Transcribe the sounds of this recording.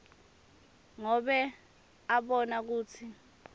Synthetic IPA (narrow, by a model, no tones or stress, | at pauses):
ŋɔɓɛ | aɓɔnak̬uːt͡sʰi